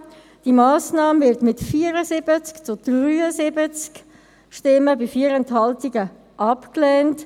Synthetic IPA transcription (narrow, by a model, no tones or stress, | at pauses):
d̥imaːsnɑːmvɪɾtmɪtfiːəɾəsɪbət͡skt͡sʊd̥ʁyːəzɪbət͡sk | ʃtɪməbɪfiːəɾɛntɦɑltɪɡə | ʔɑpklɛːnt